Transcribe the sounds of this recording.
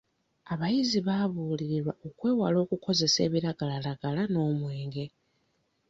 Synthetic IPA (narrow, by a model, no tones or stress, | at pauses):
aβajiziβaβuːliɾiɾwaʔokwe̞ːwalo̞ːkukʰo̞ze̞se̞̰ːβiɾaɡalalaɡ̥alano̞ːmwe̞ːŋɡe̞